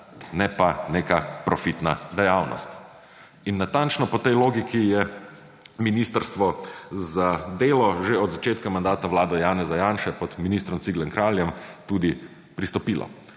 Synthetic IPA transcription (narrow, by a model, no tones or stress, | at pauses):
nɛpaneːkapɾɔfit̪nad̪ɛjawnɔ̰st̪ | inːat̪ant͡ʃnɔpɔt̪ɛjloːɡikijɛ | minist̪əɾst̪ʋɔzad̪eːlɔʒeɔd̪zat͡ʃeːt̪kamand̪aːt̪aʋwlaːd̪ɛjaːnɛzajanʃɛpɔt̪minist̪ɾɔmsiɡlɛŋkɾaːljɛmt̪uːd̪i | pɾist̪ɔpiːlɔ̰